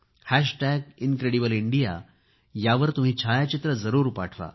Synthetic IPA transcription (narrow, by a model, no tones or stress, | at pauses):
hæɕʈæɡinkɾeɽibəliɳɖija̰ | jaʋəɾt̪um̤iːt͡ɕʰajat͡ɕit̪ɾəd͡zəɾuːɾpaʈʰʋa̰